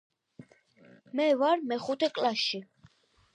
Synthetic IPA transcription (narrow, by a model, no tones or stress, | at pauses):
mɛvaɾmɛχut̪ʰɛkʼlaʃi